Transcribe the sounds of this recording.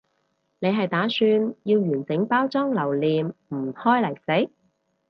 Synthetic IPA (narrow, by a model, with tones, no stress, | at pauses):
ne˨˧jɦɐ˨jt̪aː˨˥syː˧njiː˧wjyː˨˩nt͡sɪ˨˥ŋpaː˥wt͡sɔː˥ŋlɐ˨˩wliː˨mm̩˨˩hɔː˥jlɐ˨˩jse˨˥j